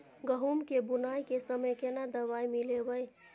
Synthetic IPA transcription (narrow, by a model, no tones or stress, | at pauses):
ɡəɦumkebunajkesəməjkenad̪əʋajmilebəj